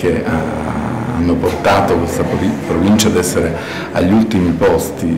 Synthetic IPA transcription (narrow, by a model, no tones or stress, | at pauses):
kea | a̰nːoport̪aːt̪okwest̪aipɾovint͡ʃad̪ɛsːeɾe | a̰ʎːiult̪imipɔst̪i